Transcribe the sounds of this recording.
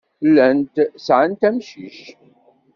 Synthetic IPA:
lænt̪sʕant̪æmʃḭʃ

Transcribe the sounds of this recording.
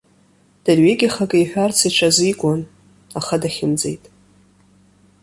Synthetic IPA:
d̥arɥeɡʲaχakʼajħʷᶣart͡sʰiʈ͡ʂʷʰazijkʷʼan | aχadaχʲɪmd͡zḛjtʼ

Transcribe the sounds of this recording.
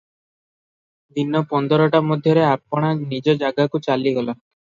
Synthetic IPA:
d̪inɔpɔnd̪ɔɾɔʈamod̪ʱjɔɾeapɔɽ̃anid͡ʒɔd͡ʒaɡakut͡ʃaliɡɔla

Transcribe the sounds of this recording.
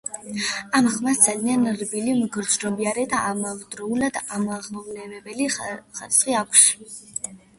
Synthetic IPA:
amχmasd̪z̥alianɾbilimɡɾd͡ʒɾɔbiaɾɛd̪aʔamavd̪ɾɔulad̪amaʁmɔvlɛvɛbɛliχaɾisχiakʷʰs

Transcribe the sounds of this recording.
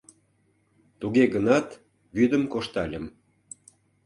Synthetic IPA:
t̪uɣeɣənɑt̪ | βyd̪əmkoʃt̪ɑlʲəm

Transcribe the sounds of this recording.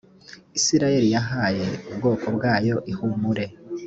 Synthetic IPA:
isiɾaje̞ɾijaɦaːje̞ubɡo̞ːkʰo̞bɡaːjo̞ʔihumuɾe̞

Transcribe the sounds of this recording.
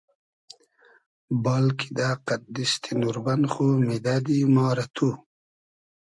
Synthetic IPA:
baːlkid̪aːqat̪̚d̪ist̪ʰinuɾbanχomed̪ad̪imɑːɾat̪ʰu

